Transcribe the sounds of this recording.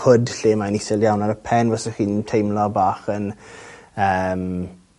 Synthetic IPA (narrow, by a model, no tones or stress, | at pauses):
hʊdɬeːmanisɪljawnaɾəpʰɛnvɔsəχiːnntʰejmlɔbaːχən | əːm